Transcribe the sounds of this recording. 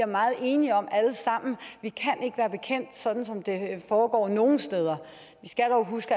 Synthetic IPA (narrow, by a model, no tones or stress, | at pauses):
iɐmɑ̈ːð̩ˠe̝ːniɒ̽mæləsɑ̈m̰n̩ʋikʰænʔe̝ɡ̥əʋæːɐb̥e̝kʰen̰d̥sɒ̽d̥n̩sɒ̽md̥e̝fɒːɡ̥ɒ̰ːno̝ːn̩sd̥eːð̞ˠɐ | ʋisɡ̥æd̥ɒʊɦusɡ̥